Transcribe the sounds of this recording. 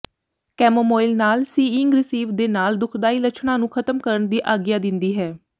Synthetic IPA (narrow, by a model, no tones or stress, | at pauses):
kɛːmomoːɪlnaːlsiːɪŋɡɾɪsiːʋd̪eːnaːld̪ʊkʰd̪aːiːlət͡ʃʰɳãːnũːkʰət̪əmkəɾəɳd̪iːʔaːɡjaːd̪ɪnd̪iːɦɛː